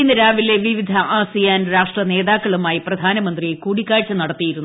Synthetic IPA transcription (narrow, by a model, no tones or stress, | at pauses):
inːɐɾaːʋile̞ʋiʋid̪ʱɐʔaːsijaːnɾaːʂʈrɐne̞ːðaːkːɐɭumaːjiprɐd̪ʱaːnɐmɐnd̪riekuːɽikːaːɻt͡ɕːɐnɐɽɐt̪ːijiɾunːu